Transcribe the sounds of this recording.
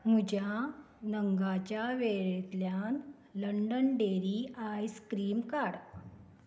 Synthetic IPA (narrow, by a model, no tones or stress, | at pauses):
mud͡ʑja | nəŋɡat͡ɕjaʋeɭet̪ljan | ləɳɖənɖeɾiajskɾiːmkaɽ